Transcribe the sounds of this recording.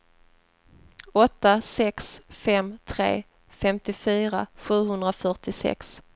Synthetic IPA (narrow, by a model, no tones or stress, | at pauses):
ɔt̪ːasɛksfɛmt̪ʰɾḛː | fɛmt̪ɪfyːɾa̰ɧʉ̟ːɦɵnd̪ɾafœʈɪsɛ̰ks